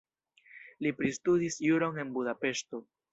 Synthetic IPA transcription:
lipɾistudisjuɾo̞ne̞nbudape̞ʃto̞

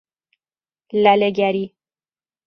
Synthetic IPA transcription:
læleɡæɾi

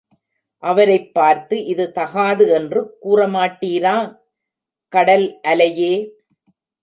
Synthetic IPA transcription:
ʔɐʋɐɾɐɪpːaːɾt̪ɯʔɪðɯt̪ɐɣaːðɯɛndrɯkuːrɐmaːʈːiːɾaː | kɐɽɐlʔɐlɐjeː

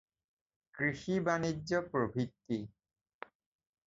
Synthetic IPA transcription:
kɾiʃibaniːopɾobʱit̪ːi

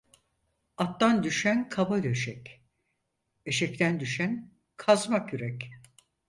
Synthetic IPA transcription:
at̪ːand̪yʃænkʰabad̪eʃɛc | eʃɛc̚t̪ʰænd̪yʃæn | kʰazmakʰyɾɛc

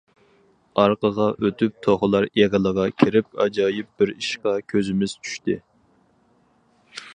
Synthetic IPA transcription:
ɑɾqəʁɑʔøt̪ʰyp̚t̪ʰoχʊlˠɑɾeʁəlˠəʁɑkʲʰiɾɪp̚ɑ̰d͡ʒɑːjɪp̚b̥ɪɾiʃqɑkʲʰøzɪmɪz̥t͡ʃʰy̥ʃt̪ɪ̰

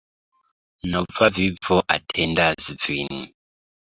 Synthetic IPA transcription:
nɔvavibvɔʔa̰tʰɛndazvini

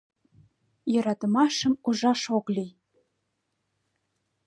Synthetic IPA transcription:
jɤ̆ɾɑt̪əmɑʃəmuʒɑʃoklij

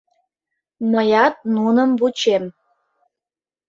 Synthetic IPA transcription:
məjɑt̪̚nunəmβut͡ɕem

